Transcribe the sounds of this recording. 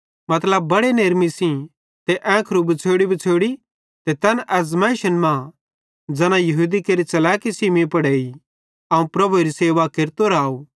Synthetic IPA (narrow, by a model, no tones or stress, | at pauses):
mɐt̪ləb̚ːɐɽeneːɾmisĩ | t̪eʔɛ̃ːkʰɾubɐt͡sʰeːɽibɐt͡sʰeːɽi | t̪et̪ɐnʔɛːs̬mɛ̃ːʃənmã | d͡ʒɐnãjɐɦuːd̪ikeɾit͡ʃɐlɛːkisiːmĩpɐɽeːi | ɐːũpɾɐbuɾiseːʋakeɾt̪oɾaːoː